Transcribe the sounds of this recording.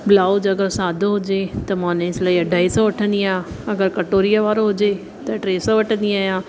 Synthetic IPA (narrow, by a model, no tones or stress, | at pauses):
blaːʊd͡ʒɐɡəɾsaːd̪ʱoɦʊd͡ʒet̪ɐmãːnẽɪslaːiɐɖʱaːisɔʋɐʈʰə̃nd̪iaɐɡəɾkɐʈoːɾijaʋaːɾoɦʊd͡ʒe | t̪ɐʈɾeːsɔ̃ʋɐʈʰə̃nd̪iaːjãː